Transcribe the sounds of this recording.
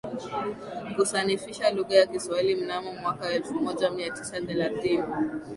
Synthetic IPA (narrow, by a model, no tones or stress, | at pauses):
kuθanifiʃaluɣajakiswailim̩namɔmwakawaɛlfumɔʄamiatisaθɛlaθini